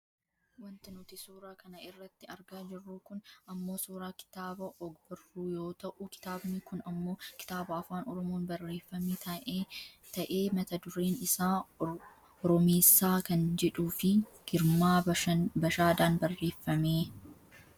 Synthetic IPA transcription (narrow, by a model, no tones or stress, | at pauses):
wɐnt̪ɪnʊt̪ɪsuːɾaːkɐnɐɪrːɐt̪ːɪɐɾɡaːd͡ʒɪrːuːkʊnɐmːo̞ːsuːɾaːkɪ̥t̪aːbɐʔɔɡbʊrːuːjo̞ːt̪ɐʔʊkɪ̥t̪aːbnikʊnɐmːo̞ːkɪ̥t̪aːbɐɐfaːnɔɾɔmoːnbɐrːe̞ːfːɐmiːt̪ɐ | t̪ɐʔe̞ːmɐt̪ɐd̪ʊɾeːnɪsaː | ɔɾɔmeːsːaːkɐnd͡ʒɛᶑuːfɪɡ̥ɪɾmaːɐbɐʃaːd̪aːnbɐrːe̞ːfːɐmeː